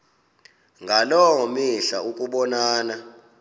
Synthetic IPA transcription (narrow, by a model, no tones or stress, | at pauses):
ŋɡʱalɔɔmiɬaukʼuɓɔnaːna